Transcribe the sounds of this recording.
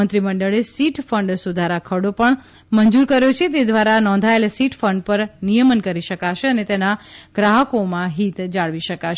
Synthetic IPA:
ənt̪ɾiməɳɖəɭesiʈfəɳɖsud̪ʱaɾakʰəɽopəɳ | məɲd͡ʒuɾkəɾjot͡ʃʰet̪ed̪ʋaɾanɔ̃nd̪ʱaelsiʈfəɳɖpəɾnijəmənkəɾiʃəkaʃeənet̪enaɡ̥ɾaɦəkomãɦit̪d͡ʒaɭʋiʃəkaʃ

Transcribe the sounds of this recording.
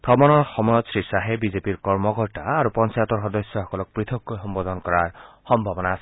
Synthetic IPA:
pɹɔmɔnɔɹxɔmɔjɔd̪sɹisaɦebizepiɹkɔɹmɔkɔɹtaaɾupɔnt͡ʃajɔt̪ɔɹɦɔd̪ɔsjɔxɔkɔlɔk̚pɹit̪ʰɔkːojxɔmbɔd̪ɔnkɔɹaɹ | xɔmbʱɔbɔnaːse̥

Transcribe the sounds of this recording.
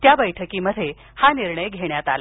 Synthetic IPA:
t̪jabəjʈʰəkiːməd̪ʱːje | haniɾɳəjɡʱeɳjat̪ala

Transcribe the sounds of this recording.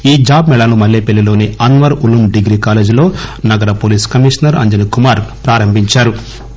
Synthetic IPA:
iːd͡ʒaːbmɛɭalumɐlːeːpelːilo̞ːniɐnʋɐɾulumɖiɡɾiːkaːleːd͡ʒilo̞ːnɐɡɐɾɐpoːliːskɐmiʂɐnɐɾɐ̰ɲd͡ʒɐnikumaːɾpɾaːɾɐmbʱiɲt͡ʃaːɾu

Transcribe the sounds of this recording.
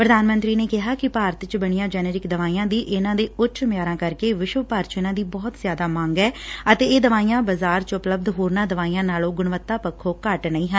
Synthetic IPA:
pɾəd̪aːnmə̃nt̪ɾiːneːkɪɦaːkɪpaːɾət̪t͡ʃbəɳ̃ijãːd͡ʒɛːneːɾɪkd̪əʋaːiːãːd̪iːʔɪnãːd̪eːʊt͡ʃʃʰmɪjaːɾãːkəɾkeːʋɪʃʋəpaːɾt͡ʃɪnãːd̪iːbɔːt̪zjaːd̪aːmãːŋɡɛːət̪eːeːd̪əʋaːijãːbəzaːɾt͡ʃʊpləb̚d̪ɦoːɾnãːd̪əʋaːiːãːnaːlõːɡʊɳʋət̪ːaːpəkʰːoːkəʈnəĩːɦən

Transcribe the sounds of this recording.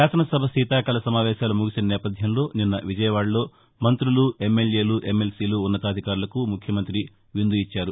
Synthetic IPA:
ʃaːsɐnɐsɐbʱɐsiːt̪aːkɐlɐsɐmaːʋɛːʃaːlumuɡisinɐnɛːpɐd̪ʱjɐmlo̞ːninːɐʋid͡ʒɐjɐʋaːɽɐlo̞ː | mɐnt̪ɾulue̞mːe̞lje̞ːluʔe̞mːe̞lsiːluːnːɐt̪aːd̪ʱikaːɾulɐkumukʰjɐmɐnt̪ɾi | ʋind̪uit͡ʃːaːɾu

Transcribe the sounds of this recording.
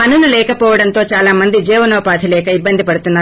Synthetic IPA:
ɐnunulɛːkɐpɔːʋɐɽɐnt̪o̞ːt͡ʃaːlaːmɐnd̪id͡ʒɛːʋɐnoːpaːt̪ʰilɛːkɐibːɐnd̪ʱipɐɽut̪unːaː

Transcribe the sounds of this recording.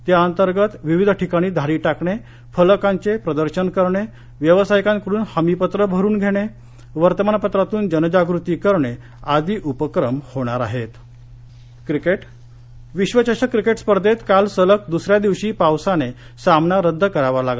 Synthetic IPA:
t̪jaənt̪əɾɡət̪ʋiʋid̪ʱʈʰikaɽ̃iːd̪ʱaɾiːʈakɳe | fələkaɲt͡sepɾəd̪əɾɕənkəɾɳe | ʋjəʋəsajkãnkəɾuːnhəmipət̪ɾəbʱəɾuːnɡʱeɽ̃e | ʋəɾt̪əmanpət̪ɾat̪uːnd͡ʑənəd͡ʑaɡɾut̪iːkəɾɳe | ad̪ʱiːʔupəkɾəmhoɽ̃aɾa̰ɦet̪ | kɾikeʈ | ʋiɕʋət͡ɕaɕakɾikeʈspəɾd̪ʱet̪kalsələk̚d̪usɾjad̪iʋɕiːpawsane | samnaɾəd̪ʱːkəɾaʋalaɡa

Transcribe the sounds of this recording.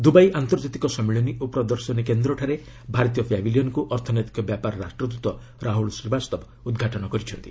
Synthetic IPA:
d̪ubajʔant̪ɔɾd͡ʒat̪ikɔsɔmiɭɔniupɾɔd̪ɔɾsɔnikend̪ɾɔʈʰaɾe | bʱaɾt̪̬ijɔpʰjabilijɔnkuʔɔɾt̪ʰɔnet̪i̥kɔbjapaɾɔɾasʈɾɔd̪ut̪wɔ | ɾaɦuɭsɾibast̪ɔb | ud̪ɡʱaʈɔnɔkɔɾit͡ʃʰɔnt̪ḭ

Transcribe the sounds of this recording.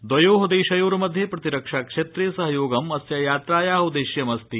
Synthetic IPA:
d̪ʋɐjoːɦɐd̪eːʃɐjoːɾumɐd̪ʱjepɾɐt̪iɾɐkʂaːkʂeːt̪ɾeːsɐɦɐjoːɡɐmɐsjɐjaːt̪ɾaːjaːɦud̪eʃjɐmɐst̪i

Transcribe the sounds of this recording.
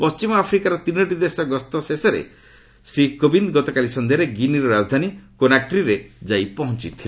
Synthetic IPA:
pɔst͡ʃimɔapʰɾikaɾɔt̪inɔʈid̪esɔɡɔst̪ɔsesɔɾḛ | sikobind̪ɡɔt̪ɔkalisɔnd̪ʱiɔɾeɡiniɾɔɾad͡ʒd̪ʱanikonakɾiɾed͡ʒajpɔɦɔnt͡ʃit̪ʰile

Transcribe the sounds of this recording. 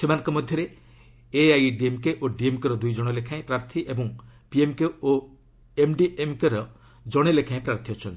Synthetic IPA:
semanɔ̃ŋkɔmɔd̪ʱjɔɾe | eajɖiemkeʔoɖiemkɔɾɔd̪ujd͡ʒɔɽ̃ɔlekʰaẽpɾaɾt̪ʰiʔebɔŋpiemkeo | emɖiʔemkeɾɔ | d͡ʒɔɽ̃elekʰaẽpɾaɾt̪ʰiɔt͡ʃʰɔnt̪i̥

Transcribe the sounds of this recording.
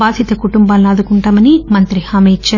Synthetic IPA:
aːd̪ʱit̪ɐkuʈumbaːlːɐːd̪ukuɳʈaːmɐnimɐnt̪ɾihɐmet͡ʃːa

